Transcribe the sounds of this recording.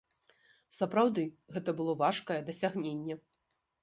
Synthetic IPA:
sɐpɾawd̪ɨ | ɣɛt̪ɐbɨlˠɔvaʂkɐjɛd̪ɐsʲaɣnʲenʲːɛ

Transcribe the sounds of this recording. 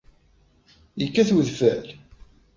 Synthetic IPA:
jəkːæθwðfæl

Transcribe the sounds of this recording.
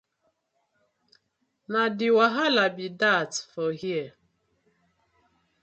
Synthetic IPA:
nadɪwaɦalabidatfɔhiɛ

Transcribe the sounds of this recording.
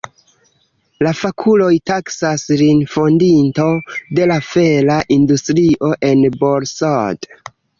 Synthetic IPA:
lafakʰulo̞jtaksasɾinfo̞ndinto̞de̞lafelaʔindustɾiʔo̞ʔe̞nboɾsod

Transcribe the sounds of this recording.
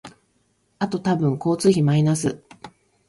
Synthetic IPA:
at̪o̞t̪abɯ̟̃ŋko̞ːt͡sɨçimainasɨ

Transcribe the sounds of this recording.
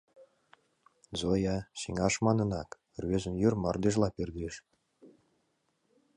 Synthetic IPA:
zojɑɕiŋɑʂmɑnɤ̆nɑk | rʲβʲezɘ̆mjyrmɑ̰rd̪ʲeʒlˠɑpʲerd̪ʲiʃ

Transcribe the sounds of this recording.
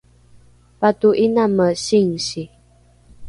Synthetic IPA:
patuʔinaməɕiŋɕi

